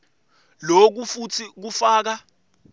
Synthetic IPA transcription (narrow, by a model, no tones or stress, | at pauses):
lok̬ufutʰik̬ufaːk̬a